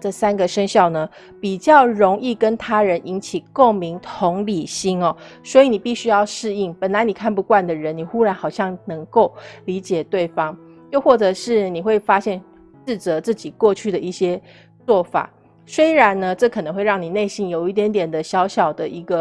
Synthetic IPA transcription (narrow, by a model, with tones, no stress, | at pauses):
ʈ͡ʂə˥˩sa˥nɡə˨ʂə˥ŋɕjɑ˥˩ʊnə˦ | pi˨˩t͡ɕjɑ˥˩ʊɻo˧˦˥ŋi˥˩kə˦nt̪ʰa˥ɻə˧˦nʔi˧˥nt͡ɕʰi˨˩ko˥˩ŋmi˧˥ŋt̪ʰʊ˧˦˥ŋli˨˩ɕi˥nɔ˨swɔ˧˥i˨˦ni˨˩pi˥˩ɕy˥jɑ˥˧ʊʂɻ̩˥˧i˥˩ŋpə˨˩nla˧˦ɪni˨˩kʰa˥˧npu˧kwa˥˩nd̪ə˩ɻə˧˦nni˨˩xu˥ɻa˧˥nxɑ˨˩ʊɕjɑ˥˩ŋnɤ˧˥ŋko˥˩ʊli˧˥t͡ɕjɛ˨˩t̪we˥˩ɪfɑ˦ŋ | t͡ɕjo˥˧ʊxwɔ˥˩ʈ͡ʂɤ˨˩ʂɻ̩˥˩ni˨˩xwe˥˩ɪfa˥ɕjɛ˥˧n | ʂɻ̩˥˩t͡sɤ˧˦t͡sɹ̩˥˩t͡ɕi˨˩kwɔ˥˧t͡ɕʰy˥˩d̪ə˩i˥˩ɕjɛ˥ | t͡swɔ˥˩fa̰˨˩˦ | swe˥ɪɻa˧˦nnə˧ʈ͡ʂɤ˥˩kʰɤ˨˩nɤ˧˦ŋxwe˥˧ɪɻɑ˥˩ŋni˨˩ne˥˧ɪɕi˥˩njo˨˩ʊi˥˩t̪jɛ˧˥nt̪jɛ˨˩nd̪ə˦ɕjɑ˧˥ʊɕjɑ˨˩ʊd̪ə˨ʔi˧˥ɡə˧